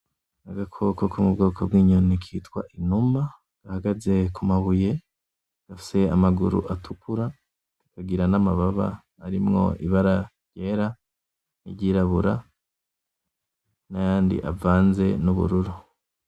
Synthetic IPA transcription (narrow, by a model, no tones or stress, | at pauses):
aɡakʰo̞kokumubɡo̞ːkʰo̞bɡiːɲonikʰiːtwa̰ʔinuma | ɡ̥ahaɡaze̞kumaβuje̞ | ɡ̥afi̥se̞amaɡuɾṵʔatʰukuɾa | kaɡiɾanamaβaβa̰ː | ɾimŋo̞̰ʔḭβaɾaɾje̞ːɾa | ḭɾɟiɾaβuɾa | najaːndḭʔavaːnze̞nuβṵɾuɾu